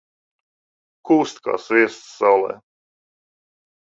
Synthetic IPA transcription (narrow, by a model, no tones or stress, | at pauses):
kuːst̪ka̰ːsviɛst̪sawlˠɛ̰ː